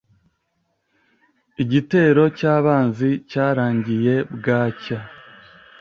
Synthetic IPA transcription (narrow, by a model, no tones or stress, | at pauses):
iɟite̞ːɾo̞caːβaːnzicaːɾaːɲɟije̞bɡaːca